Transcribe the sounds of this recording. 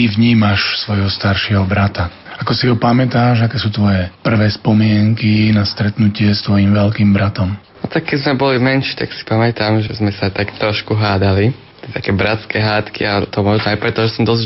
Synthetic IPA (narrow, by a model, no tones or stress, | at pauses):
tiʋɲiːmaʃsʋɔjɦɔst̪aɾʃɪɛɦɔbɾat̪a | akɔsiɦɔpamɛt̪aːʒakɛːsuːt̪ʋɔjɛpr̩ʋɛːspɔmɪɛŋkinast̪ɾɛt̪nucɪɛst̪ʋɔjimʋɛlkiːmbɾat̪ɔmnɔt̪akkːɛzmɛbɔlimɛnʃiːt̪aksi̥pamɛt̪amʒɛzmɛsat̪akt̪ɾɔʃkuɦaːd̪alit̪ɪɛt̪akɛːbɾat͡skɛɦaːt̪kḭat̪ɔmɔʒnɔajpɾɛt̪ɔʒɛsɔmd̪ɔz